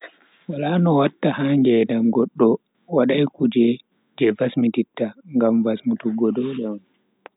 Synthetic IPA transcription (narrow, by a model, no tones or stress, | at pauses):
walanɔwatːahaŋɡɛːɗamɡɔɗːɔ | waɗajkud͡ʒɛ | d͡ʒɛvasmititːaŋɡamvasmutuɡɔdɔɗɛɔn